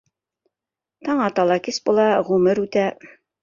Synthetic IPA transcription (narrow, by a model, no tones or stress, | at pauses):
t̪ɑɴɑt̪ɑlˠɑkisbulˠɑʁʉmɘɾʉt̪æ